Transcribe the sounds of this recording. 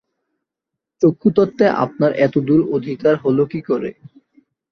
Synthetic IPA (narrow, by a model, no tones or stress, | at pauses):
t͡ɕokʰːut̪ɔt̪ːeʔa̰p̚naɾʔɛt̪od̪uɾod̪ʱikaɾɦolokikoɾḛ